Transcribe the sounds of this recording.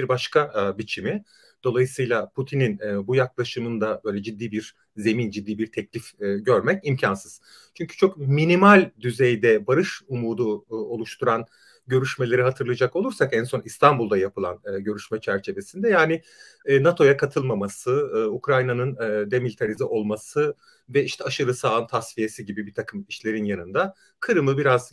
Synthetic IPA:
biɾbaʃkʰabit͡ʃʰimi | d̪̥o̞lˠajɯsɯjlˠapʰut̪ʰininɛbujaklˠaʃɯmɯnd̪abø̞jlʲɛd͡ʒid̪ːiːbiɾ | ze̞mind͡ʒid̪ːiːbiɾt̪ʰɛclʲifɟøɾmɛcimcʰansɯz̥ | t͡ʃʰyɲcʰy̥t͡ʃʰo̞kminimalʲd̪yzejd̪ɛbaɾɯʃumuːd̪uo̞lˠuʃt̪ʰuɾan | ɟø̞ɾyʃme̞lʲe̞ɾiɦat̪ʰɯɾlˠɯd͡ʒako̞lˠuɾsakænso̞nist̪ʰambulˠd̪ajapɯlˠa̰nɯːɟø̞ɾyʃmɛt͡ʃʰæɾt͡ʃʰe̞ve̞sind̪ɛjaːnɪ | nat̪ʰo̞jakʰat̪ʰɯlˠmamasɯukɾajnanɯnːd̪ɛmilʲit̪ʰaɾiziʔo̞lˠmasɯ | vɛiʃt̪ʰɛaʃɯɾɯsaːɯnt̪ʰasvije̞siɟibibiɾt̪ʰakʰɯmiʃlʲe̞ɾinjanɯnd̪a | kʰɯɾɯmɯbiɾaz

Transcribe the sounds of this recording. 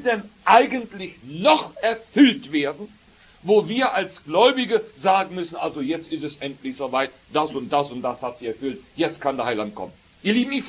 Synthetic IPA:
dɛnʔaɪɡəntlɪçnɔχʔɛɐfʏltv̥eːɐdn̩ | voːviːɐʔalsɡ̥lɔʏbɪɡəzaːɡŋ̩mʏsn̩ʔalzojɛt͡stɪstɛsʔɛntlɪçz̥oːvaɪt | d̥asʊnt̚d̥asʊnt̚d̥ashatz̥iːɛɐfʏltjɛt͡stkʰandeɐhaɪlant̚kʰɔ̰mən | ʔiːɐliːbm̩if

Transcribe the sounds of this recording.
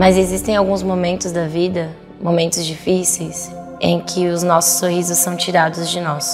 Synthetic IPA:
mɐzezist̪ẽj̃awɡũzmomẽnt̪ʊzd̪ɐvid̪ɐ | momẽnt̪ʊzd͡ʒifisejs | ḛ̃j̃kʰɪʊznɔsʊ̥sːohizʊssɐ̃w̃t͡ʃiɾad̪ʊzd͡ʒɪnɔs

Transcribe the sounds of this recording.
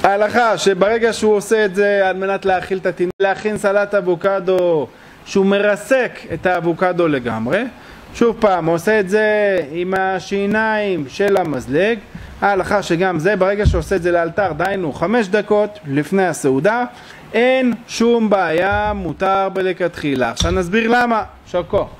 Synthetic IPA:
aːlaχaʃe̞beʁe̞ɡaʃeuoseːtze̞alme̞nat̪leaχilt̪at̪inuleaχinsalat̪avukad̪o̞ | ʃeume̞ʁase̞ke̞t̪aːvukad̪o̞le̞ɡa̰mʁe̞ | ʃuvpaːmoseːtze̞imaʃinaimʃe̞lamazleɡhaːlaχaʃe̞ɡamze̞beʁe̞ɡaʃeoseːtze̞lealt̪aʁd̪ajnuχame̞ʃ̬d̪ako̞t̪lifne̞jaseud̪a | ʔenʃumbaːjamut̪aʁbelekat̪χilaːχʃavnazbiʁlama | ʃoko

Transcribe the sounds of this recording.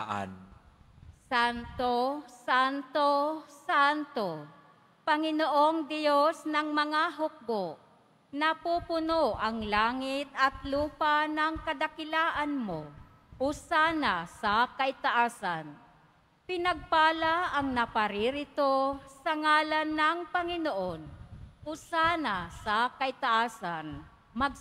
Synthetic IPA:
ʔa̰n | sant̪osant̪osant̪o | pɐŋɪnoʔoŋd̪ɪjosnɐŋmɐŋaɦʊk̚bo | nɐpupʊnoʔɐŋlaːŋɪt̪ɐt̪luːpanɐŋkɐd̪akɪlaːʔanmo | ʔʊsaːnasakɐʔɪt̪aʔaːsan | pɪnɐɡ̚paːlaʔɐŋnɐpaɾɪɾɪt̪osɐŋaːlanːɐŋpɐŋɪnoʔonʔʊsanasɐkɐɪt̪aʔaːsan | mɐɡ̚

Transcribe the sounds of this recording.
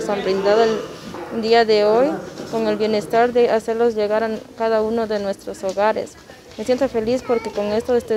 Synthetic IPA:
sambɾind̪aðoeld̪iaðeo̞jko̞ŋe̞lβje̞ne̞st̪aɾd̪e̞ʔase̞ɾlo̞sʝe̞ɣaɾakaðaunoðe̞nwe̞st̪ɾo̞so̞ɣaɾḛs | mesje̞nt̪o̞fe̞lispo̞ɾkeko̞ŋe̞st̪oest̪e

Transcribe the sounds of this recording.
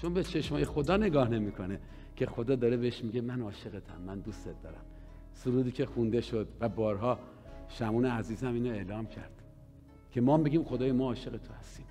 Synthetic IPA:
t͡ʃʰonbet͡ʃʰe̞ʃmɒːje̞xo̞d̪ɒːne̞ɡɒːhne̞miːkʰo̞ne | cʰe̞xo̞d̪ɒːd̪ɒːɾebeeʃmiɟe̞mænɒːʃe̞ɣet̪ʰæ̰mːænd̪ust̪et̪̚d̪ɒ̰ːɾæ̰m | suɾuːd̪iːcʰe̞xund̪e̞ʃod̪væbɒːɾɦɒː | ʃæmuːneæziːzæmiːnoe̞lɒːmcʰæ̰ɾd̪̥ | kʲʰe̞mɒːmbe̞ɡʲiːmxo̞d̪ɒːjemɒːʃe̞ɣet̪ʰohæst̪iːm

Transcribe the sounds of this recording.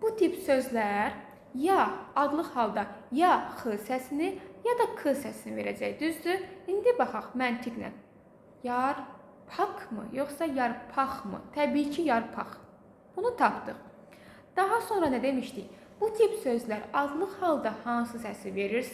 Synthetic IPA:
b̥ut̪ʰipsø̞zlæɾ | jɑːd̪lˠɯχhɑlˠd̪ɑjɑχɯsæsinijɑd̪ɑkʰɯsæsinive̞ɾæ̰d͡ʒæjd̪yzd̪yind̪ibɑχɑχmænt̪ʰiɡnæ̰n | jɑɾ | pʰɑkʰmɯ̰jo̞χsɑjɑɾpʰɑχmɯ̰t̪ʰæbiːcʰijɑɾpʰɑ̰χ | b̥unut̪ʰɑpt̪ɯχ | d̪̥ɑɦɑso̞nɾɑnæd̪e̞miʃt̪ij | b̥ut̪ʰipsøzlæɾɑd̪lˠɯχhɑlˠd̪ɑhɑnsɯsæsive̞ɾiɾs

